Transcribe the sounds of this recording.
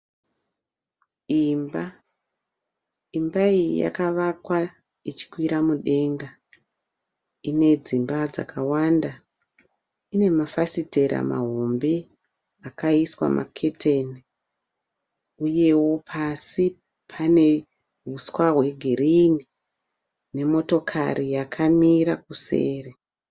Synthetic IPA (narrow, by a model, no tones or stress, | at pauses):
imba | imbaijḭja̰kaʋakwa | it͡ʃi̥kwiɾamuɗe̞ŋɡa | ine̞d͡zimbad͡za̰kawanda | ine̞mafasite̞ɾa̰ma̰ɦo̞mbe̞ | akaiswa̰mʔa̰kʰe̞tʰeni | uje̞wo̞pʰasi | pʰane̞ | ɦuswawe̞ɡʱirini | ne̞mo̞to̞kʰarijakʰamiɾak̚usḛːre